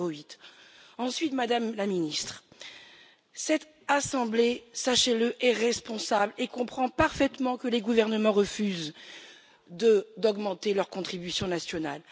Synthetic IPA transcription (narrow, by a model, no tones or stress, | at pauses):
oɥit̪ɑ̃sɥit̪mad̪amlaminist̪χ | sɛt̪ | asɑ̃blesaʃeləʔɛʁɛspɔ̃sablekɔ̃pχɑ̃paʁfɛt̪mɑ̃kəleɡuvɛʁnəmɑ̃ʁəfyz | d̪əd̪ɔɡmɑ̃t̪elœʁkɔ̃t̪χibysjɔ̃nasjɔna̰l